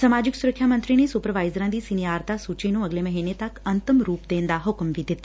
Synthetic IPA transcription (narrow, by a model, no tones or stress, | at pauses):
səmad͡ʒɪksuɾəkʰːjamənt̪ɾinisupɾəʋajzɾãnd̪isiniaːɾt̪asut͡ʃinũəɡleməɦinət̪akənt̪əmɾuːpd̪ẽːnd̪aɦʊkmʋid̪ʱit̪